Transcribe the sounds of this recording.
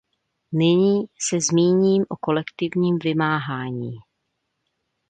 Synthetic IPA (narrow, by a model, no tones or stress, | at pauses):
nɪɲiːsɛzmiːɲiːmʔoko̞lɛkt̪ɪvɲiːmvɪmaːɦaːɲiː